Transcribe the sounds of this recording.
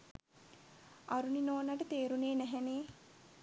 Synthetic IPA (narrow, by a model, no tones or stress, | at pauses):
aɾuninoːnaʈət̪eːɾuneːnæɦæneː